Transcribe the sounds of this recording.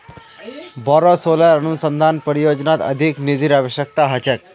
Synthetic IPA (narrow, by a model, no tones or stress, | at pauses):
bɔɾosoləɾənusənd̪ʱanpəɾijod͡ʒnat̪ə̰d̪ʱiknid̪ʱiɾaʋəɕjək̚t̪aɦɐt͡ʃek̚